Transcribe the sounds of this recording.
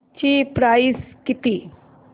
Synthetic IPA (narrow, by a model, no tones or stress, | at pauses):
t͡ɕipɾaiskit̪i